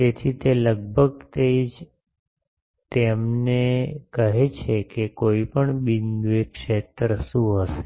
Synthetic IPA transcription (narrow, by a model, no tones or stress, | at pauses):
d͡ʒet̪ʰit̪eləɡ̚bʱəɡt̪eid͡ʒ | t̪emnekəɦet͡ʃʰekekoipəɳbinʋekʃet̪ɾəʃũɦəʃe̥